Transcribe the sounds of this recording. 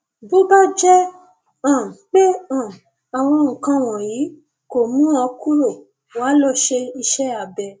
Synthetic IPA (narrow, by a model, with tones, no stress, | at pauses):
bo˦ba˦d͡ʒɛ˦ | ã˦˨k͡pe˦ã˦˨ | a˨w̃ɔ̃˧ŋ̩˨kã˧w̃ɔ̃˨ji˨˦ | ko˨mũ˦ɔ˧ku˦ɾo˦˨ | wa˨˦lɔ˦˨ʃe˧i˧ʃɛ˦a˨bɛ˧